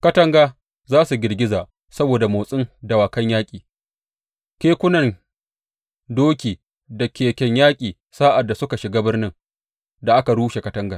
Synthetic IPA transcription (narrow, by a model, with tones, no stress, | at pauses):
kɐ˦tɐ˦ŋɡaː˦ | zaː˦su˨ɡʲɪ˨rɡʲɪ˦zaː˨ | sɐ˦boː˨da˨moː˨sʼɪ˦ŋdɐ˨waː˨kɐ˦ɲjaː˦kʲʼiː˨ | kʲeː˦kʷʊ˦nɐ˨n | doː˦kʲiː˨ | da˨kʲeː˨kʲɛ˨ɲjaː˦kʲʼiː˨ | saː˦ʔa˨dːa˨sʊ˦ka˨ʃɪ˨ɡaː˦bɪ˦rnɪ˦ŋ | da˨ʔa˦ka˨ɽuː˦ʃe˨kɐ˦tɐ˦ŋɡaː˨